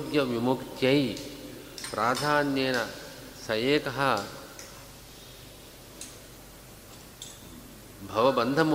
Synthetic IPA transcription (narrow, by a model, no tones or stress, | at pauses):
ɡjɐʋimukɐj | pɾʔaːd̪ʱaːnjeːnɐ | sɐjeːkɐɦɐ | bʱɐʋɐbɐnd̪ʱɐmu